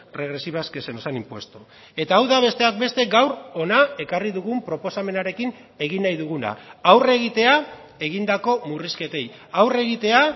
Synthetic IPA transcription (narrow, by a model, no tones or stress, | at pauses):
re̞ɣɾe̞siβaske̞se̞no̞sanimpwe̞st̪u | e̞t̪aːwðaβ̞e̞st̪e̞ak̚be̞st̪e̞ɡawɾo̞nae̞kariðuɣumpɾo̞po̞same̞naɾe̞kin | e̞ɣ̞inajðuɣ̞una̰ːwre̞ɣ̞it̪e̞a | e̞ɣind̪ako̞muriske̞t̪e̞j | awre̞ɣ̞it̪e̞a